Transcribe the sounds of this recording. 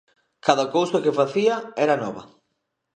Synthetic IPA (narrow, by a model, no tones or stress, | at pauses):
kaðɐkowsɐkefaθiɐɛɾɐnɔβɐ